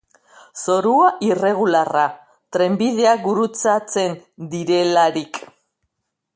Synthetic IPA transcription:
so̞ɾuaʔire̞ɣ̞ulara | t̪ɾe̞mbið̞e̞aɡuɾut͡sat͡se̞nd̪iɾe̞laɾik

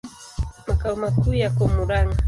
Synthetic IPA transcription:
makawmakʊjakomʊɾaŋa

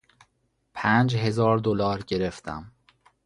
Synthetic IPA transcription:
pʰæːnd͡ʒɦe̞zɒːɾd̪olɒːɾɟe̞ɾe̞ft̪ʰæ̰m

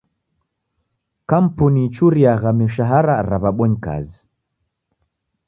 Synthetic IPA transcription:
kam̩punit͡ʃuɾiaɣamiʃaɦaɾaɾaβaɓwɔɲika̰zi

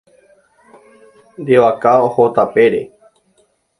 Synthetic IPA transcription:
ɾeʋakaohot̪apeɾe

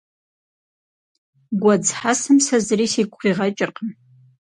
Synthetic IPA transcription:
ɡʷad͡zħasɨmsazarisikʷʰχiʁat͡ʃʼɪrqʼəm

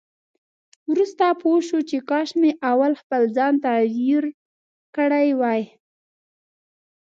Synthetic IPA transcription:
wɾust̪apʰoʃut͡ʃekɑʃmeʔawalxpəlzɑnt̪ajiɾ | kəɽajwɑj

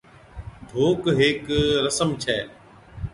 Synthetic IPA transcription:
d̪ʱoːkɦeːkɾəsəmt͡ʃʰɛː

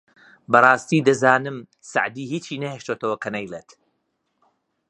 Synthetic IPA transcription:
bɐrˤɑːst̪iːd̪ɐzaːnɨm | sa̰ʕd̪iːhiːt͡ʃʰiːnɐhɛʃt̪oːt̪ɐwɐkʰɐnɐjlet̪

